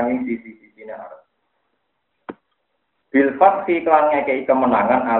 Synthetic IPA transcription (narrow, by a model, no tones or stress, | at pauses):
nisisisisineɦa̰ɾəs̚ | b̥i̤lfat̪̚siklanŋɛkeikəmənaŋana